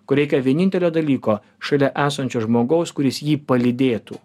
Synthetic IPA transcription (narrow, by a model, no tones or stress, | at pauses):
kʊɾʲɛɪkʲɛʋʲiɛnʲɪnʲt̪ʲɛlʲoːd̪ɐlʲiːkoː | ʃɐlʲɛʔæːsɐnʲt͡ʃʲoːʒmoːɡɐʊskʊɾʲɪsjiːpɐlʲɪd̪ʲeːt̪ṵː